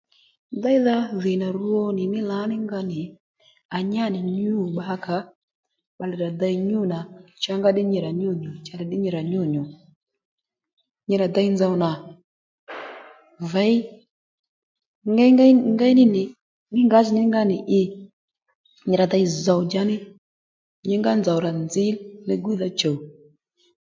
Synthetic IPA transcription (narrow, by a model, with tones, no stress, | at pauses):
da˦i˦ða˦ðɪ˨na˨ɾu˦ɔ˦nɪ˨nɪ˦la˨˦nɪ˦ŋɡa˧nɪ˨ | a˨ɲa˦˨nɪ˨ɲu˦˨ɓa˦ka˨˦ | ɓa˨lɛ˨ɾa˨d̪a˧i˨ɲu˦˨na˨t͡ʃa˦ŋɡa˦ɗɪ˦ɲɛ˨ɾa˨ɲu˦˨ɲu˨t͡ʃa˧lɛ˨ɗɪ˦ɲi˨ɾa˨ɲu˦˨ɲu˨ | ɲi˨ɾa˨d̪a˧i˦nd͡za˨wna˨ | va˨˦j | ŋɡa˦ŋɡŋɡa˦nɪ˦nɪ˨ | ŋi˦ŋɡa˦znɪ˦ŋɡa˦nɪ˨ʔɪ˦ | ɲi˨ɾa˨da˧jza˨wd͡ʒa˦nɪ˦ | ɲi˦ŋɡa˦nd͡za˨wɾa˨nd͡zi˦lnə˦ɡu˦ða˦t͡ʃə˨w